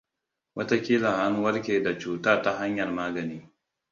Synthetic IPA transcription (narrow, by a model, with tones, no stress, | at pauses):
wʔɐ˦ta˦kʲiː˦laː˨ʔa˦ŋwɐ˦ɾkʲeː˨da˨t͡ʃuː˨ta˦ta˦ɦa˦ɲjɐ˨rmaː˦ɡɐ˨niː˦